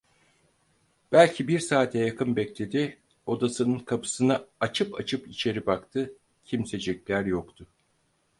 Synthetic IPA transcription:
b̥ælʲcʰibiɾsaːt̪ʰɛjakʰɯnbɛclʲe̞d̪i | o̞d̪asɯnɯnkʰapʰɯ̥sɯnaat͡ʃʰɯpʰat͡ʃʰɯpit͡ʃʰe̞ɾibakt̪ʰɯ | cʰimse̞d͡ʒɛclʲæɾjokt̪ʰʊ

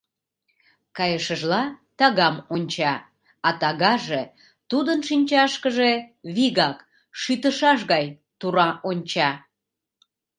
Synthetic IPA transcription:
kɑjəʃəʒlɑt̪ɑɣɑmonʲt͡ɕɑ | ɑt̪ɑɣɑʒe | t̪ud̪ənʃinʲt͡ɕɑʃkəʒeβiɣɑk | ʃyt̪əʃɑʃ̬ɣɑj | t̪uɾɑʔonʲt͡ɕɑ

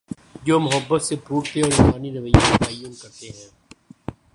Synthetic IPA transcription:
d͡ʒoːmʊɦəbːət̪sebʱuːkt̪eɔːɾɪmaːniɾəʋəjːõkaːijõːmkɐɾt̪eɦɛ̃ː

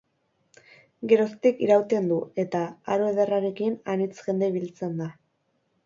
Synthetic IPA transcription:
ɡe̞ɾo̞st̪ikiɾawt̪e̞nd̪ue̞t̪aaɾoe̞ðeraɾe̞kinanit͡sʝe̞nd̪eβ̞ilt͡se̞nd̪a

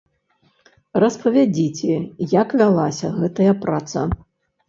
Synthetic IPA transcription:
rɐspɐvʲad͡zʲit͡sʲɛjakvʲalˠasʲɐɣɛt̪ɐjɐpɾat̪sɐ̰

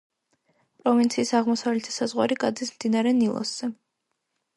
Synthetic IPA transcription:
pʼɾɔvint̪sʰiːsaʁmɔsavlɛt̪ʰi̥sazʁwaɾikʼad̪zismd̪inaɾɛnilˠɔ̰sz̥ɛ

